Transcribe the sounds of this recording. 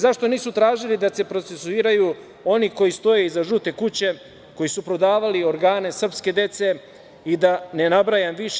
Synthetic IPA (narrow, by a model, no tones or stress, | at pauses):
zaʃt̪o̞niːsut̪ɾaːʒilid̪ase̞pɾo̞tse̞suiːɾaju | o̞niko̞jist̪o̞je̞izaʒut̪e̞kut͡ɕe̞ | ko̞jisupɾo̞d̪aːʋalio̞ɾɡaːne̞sr̩pske̞d̪e̞t̪se̞ | id̪ane̞nabɾajamʋiʃ